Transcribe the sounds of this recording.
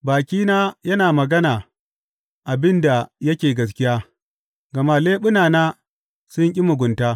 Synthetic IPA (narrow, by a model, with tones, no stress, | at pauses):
baː˨kʲiː˦naː˦jɐ˦naː˨mɐ˨ɡɐ˦naː˨ | ʔa˨bɪ˦nda˨jɐ˦kʲeː˨ɡɐ˦s̬kʲɪ˦jaː˦ | ɡɐ˨maː˦leː˦ɓʊ˦naː˨naː˦ | sʊ˦ŋkʲʼi˦mʊ˨ɡʷʊ˨ntaː˦